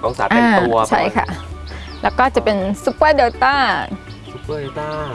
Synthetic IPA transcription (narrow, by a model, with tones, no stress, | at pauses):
o˧sa̰˨˩˦ʔaː˧˩˧t͡ɕʰa̰˥˩jkʰa̰˥˩lɛː˦˥wkɔː˥˩t͡ɕa˨˩pe˧nsu˧˦˥pːjde˧wt̪aː˥˩˧ | a˥˩